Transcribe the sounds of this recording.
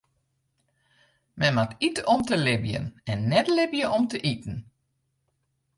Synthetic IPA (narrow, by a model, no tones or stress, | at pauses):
mɛnmatitɔmtəlɪbjə̰nɛnːɛtlɪbjəɔmtəʔitn̩